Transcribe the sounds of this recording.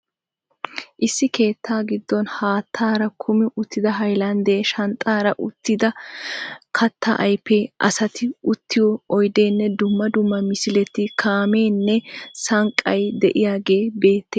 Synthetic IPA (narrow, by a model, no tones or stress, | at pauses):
ʔɪsːɪke̞ːt̪ːaːɡɪd̪ːɔnhaːt̪ʰːaːɾɐkʰʊmɪʔʊt̪ːɪd̪ɐɦɐjlɐnd̪eːʃɐnt̪ʼːaːɾɐʔʊt̪ːɪd̪ɐ | kʰɐt̪ːɐʔɐjpːeʔɐ̰sɐt̪ɪʊt̪ːɪjɔɔjd̪e̞ːnːɛd̪ʊmːɐd̪ʊmːɐmɪsɪlɛt̪ːɪkʰaːme̞ːnːɛsɐŋkʼːɐjd̪ɛʔɪjaːɡe̞ːbe̞ːt̪ːeː